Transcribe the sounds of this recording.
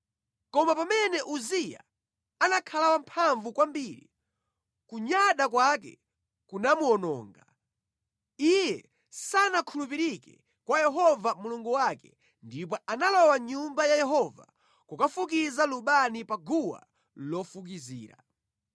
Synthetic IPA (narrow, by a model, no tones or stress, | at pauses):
kɔmapamɛnɛʔuzija̰ | anakʰalawampʰaɱvukwambiɾḭ | kuɲaɗakwakɛ̰ | kunamuɔnɔ̰ːŋɡa | ijɛ | sanakʰulupiɾikɛ̰ | kwajɛɦɔvamuluŋɡuwakɛ̥ | ndipɔʔanalɔwaɲumbajajɛɦɔva̰ | kukafuk̬izaluɓanipaɡuwa̰ | lɔfuk̬iziːɾa̰